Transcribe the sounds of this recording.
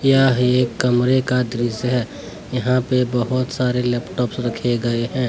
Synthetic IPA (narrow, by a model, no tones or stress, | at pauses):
jaɦieːkːəmɾekad̪ɾisɦɛ | jɐɦãpebəɦʊt̪saːɾelɛːpʈɔːpsɾəkʰeɡəeɦɛ̃ː